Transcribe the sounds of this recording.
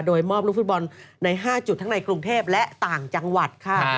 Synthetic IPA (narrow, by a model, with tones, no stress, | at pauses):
doː˧jmɔː˥˩p̚ɾu˦˥˩fu˦˥bɔ˧nːa˧jɦaː˥˩t͡ɕu˨˩t̪ʰːa˦˥na˧jkɾu˧ŋt̪ʰeː˥˩p̚lɛ˦˥ʔt̪aː˨˩ŋt͡ɕa˧ŋwa˨˩t̪̚kʰa˥˩